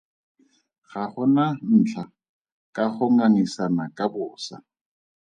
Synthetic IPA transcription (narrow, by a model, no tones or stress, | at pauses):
χaχʊnan̩ːt͡ɬʰa | kʼaχʊŋaŋisanakʼabʊːsa̰